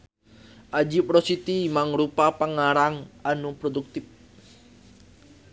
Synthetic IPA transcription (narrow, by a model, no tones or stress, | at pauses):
ʔad͡ʒip̚ɾɔsit̪imaŋɾupapəŋaɾaŋanupɾɔduk̚t̪ɪp̚